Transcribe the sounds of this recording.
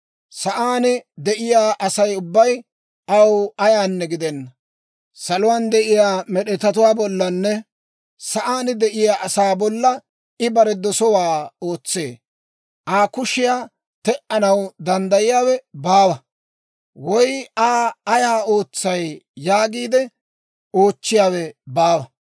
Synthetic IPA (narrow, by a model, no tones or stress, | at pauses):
sɐʔaːnɪd̪ɛʔɪjaːʔɐsɐjʊbːɐj | ʔɐwɐjaːnːɛɡɪd̪ɛnːɐ | sɐlʊwaːnd̪ɛʔɪjaːmɛɗɛt̪ɐt̪ʊwaːbɔlːɐnːɛ | sɐʔaːnɪd̪ɛʔɪjaːʔɐsaːbɔlːɐ | ɪbɐɾɛd̪ɔsɔwaːo̞ːt͡sːeː | ʔaːkʊʃɪjaː | t̪ɛʔɐnɐwd̪ɐnd̪ɐjɪjaːwɛbaːwɐ | wɔjaːɐjaːo̞ːt͡sːɐjːaːɡiːd̪ɛ | o̞ːt͡ʃːɪjaːwɛbaːwɐ